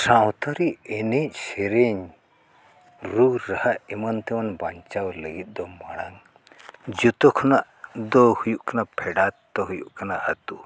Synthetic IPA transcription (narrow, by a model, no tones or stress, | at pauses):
sawt̪ʰɔɾiɛnec̚ˀsɛɾeɲ | ɾuɾahaʔɛmɔnt̪ɛmanbaɲt͡ʃawləɡit̪̚ˀd̪ɔmaɽ̃aŋ | d͡ʒut̪ɔkʰɔnaʔ | d̪ɔhujuʔkanapʰɛɖat̪ːɔɦujuʔkanaʔːt̪u